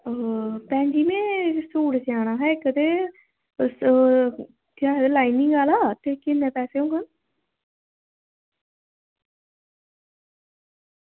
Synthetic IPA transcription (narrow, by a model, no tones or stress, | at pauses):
pɛ̃ːɲd͡ʒiːmẽːsuːɽd͡ʒaːɽaːɦɛːɪkət̪eː | kaːd̪eːlaːinɪŋɡaːlaːt̪eːkɪnːɛ̃ːpɛːseːõːŋɡə